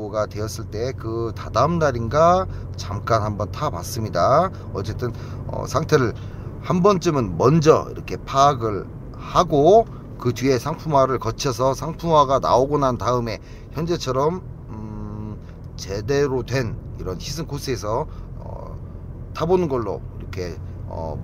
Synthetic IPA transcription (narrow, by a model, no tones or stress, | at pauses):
ɡatwe̞ʌs͈ɯɭt͈e̞kɯtadamnaɾinɡa | t͡ɕamk͈anhambʌntʰapa̰s͈ɯmɲida | ʌt͡ɕ͈e̞t͈ɯn | ʌ̰sʰaŋtʰe̞ɾɯɭ | hambʌnt͡ɕ͈ɯmɯnmʌnd͡ʑʌ̰ḭɾʌ̰kʰe̞pʰaːɡɯɭ | haɡo | kɯtɥie̞sʰaŋpʰumwaɾɯɭkʌt͡ɕʰʌsʰʌsʰaŋpʰumwaɡana̰oɡonantaɯme̞ | çjʌnd͡ʑe̞t͡ɕʰʌɾʌm | t͡ɕe̞de̞ɾotwe̞n | iɾʌnçisʰɯnkosʰes̬ʰʌ | ʌ̰ | tʰabonɯnɡʌɭːo̰iɾʌkʰe̞ | ʌ̰